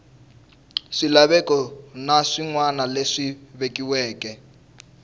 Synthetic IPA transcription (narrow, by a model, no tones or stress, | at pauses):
ʂilaβɛkɔnaʂiŋwanaleʂiβekiwɛːkɛ